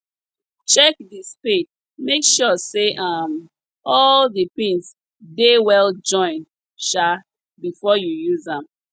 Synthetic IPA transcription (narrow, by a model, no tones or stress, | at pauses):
t͡ʃɛk̚dispet̚ | mekʃɔseʔam | ɔlðəpĩns | dewɛld͡ʒɔ̃ɪ̃n | ʃa | bifɔjujuzãm